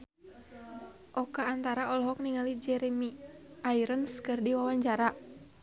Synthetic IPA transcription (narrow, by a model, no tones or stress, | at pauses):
ʔɔkaːnt̪aɾaʔɔlɔɦɔk̚niŋalid͡ʒɛɾɛmiaiɾənskɨrdiwawaɲd͡ʒaɾa